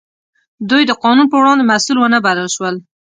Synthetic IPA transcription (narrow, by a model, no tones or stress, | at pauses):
d̪ujd̪əqɑnunpəwɽɑnd̪emasulwənəbaləlʃwəl